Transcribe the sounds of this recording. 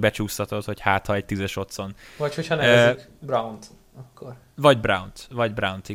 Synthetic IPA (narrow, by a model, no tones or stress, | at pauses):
bɛt͡ʃuːst̪ɒt̪o̞t̪ho̞chaːt̪hɒɛc̚t̪izɛʃo̞t̪so̞nvɒcho̞chɒnɛɛzikbrawnt̪ | ɒkːor | vɒɟbrawnt̪vɒɟbrawnt̪i